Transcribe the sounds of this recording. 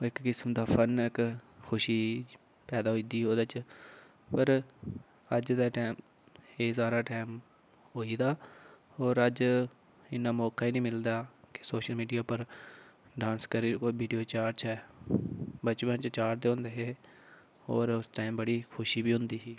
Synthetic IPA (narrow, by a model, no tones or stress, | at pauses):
ɪkːɪsmd̪aːpʰənɪkkʰʊʃiː | pɛːd̪aːɦoiːd̪iːɦoːd̪ːt͡ʃ | pəɾ | əd͡ʒd̪aːʈaːm | eːsaːɾaːʈaːm | ɦoːiːd̪aː | oːɾəd͡ʒ | ɪnːaːmɔːkaːiːnĩːmɪld̪aːkɪ̥soːʃəlmiːɖijaːpəɾ | ɖãːnskəɾiːkoːibiːɖijoːt͡ʃaːɾt͡ʃɛː | bət͡ʃbənt͡ʃt͡ʃaːɾd̪eːɦʊ̃ːnd̪eːɦeː | o̰ːɾʊsʈaːimbəɽiːkʰʊʃiːbiːʊ̃nd̪iːɦiː